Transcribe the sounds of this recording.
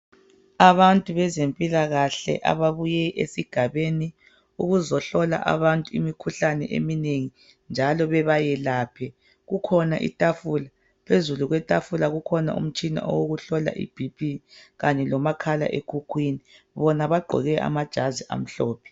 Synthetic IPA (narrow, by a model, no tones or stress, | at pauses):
aβantʼuβɛzempʼilaɣaɬɛ̰ʔa̰βaβujɛʔesiɡ̥ʱaβeni | uɣuzɔɬɔla̰ʔa̰βantʼuimikʰuɬanɛʔḛmineŋi | nd͡ʒʱalɔβɛβajɛlaːpʰɛ | ɣukʰɔna̰ʔḭtʼafuːla | pʰezuluɣwɛtʼafulaɣukʰɔna̰ṵm̩t͡ʃʼina̰ʔɔ̰woɣuɬɔla̰ʔḭb̥ʱib̥ʱiɣaɲɛlɔmakʰala̰ʔekʰukʰwiːni | βɔnaβaɡ͡ǃʱɔ̰ɣɛʔa̰mad̥ʒ̥ʱaziʔa̰m̩ɬɔːpʰɛ̥